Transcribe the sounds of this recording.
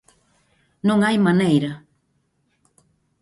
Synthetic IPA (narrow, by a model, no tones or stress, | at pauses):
noŋajmanejɾa